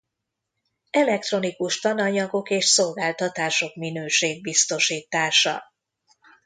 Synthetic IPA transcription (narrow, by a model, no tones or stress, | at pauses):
ɛlɛk̚t̪ro̞nikuʃt̪ɒnɒɲɒɡo̞keːʃso̞lɡaːlt̪ɒt̪aːʃo̞kminøːʃeːɡ̚bist̪o̞ʃiːt̪aːʃɒ̰